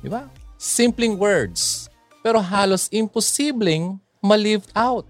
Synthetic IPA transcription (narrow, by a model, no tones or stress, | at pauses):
d̪ɪbasɪ̃mplɪŋwɛɹd̪s | pɛːɾoɦaːlosʔɪ̃mposiblɪŋ | mɐlɪvd̪awt̪̚